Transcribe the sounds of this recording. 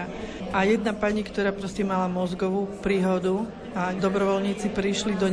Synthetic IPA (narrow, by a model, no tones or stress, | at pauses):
ʔajɛd̪napaɲikt̪ɔɾaːpɾɔscɛmalamɔzɡɔʋuːpɾiːɦɔd̪u | ad̪ɔbɾɔʋɔlɲiːt͡sipɾiʃlid̪ɔ